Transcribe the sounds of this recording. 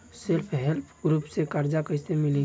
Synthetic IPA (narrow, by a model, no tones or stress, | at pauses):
selpʰɦɛlpʰɡɾuːpsekəɾd͡ʒakəsemɪlĩ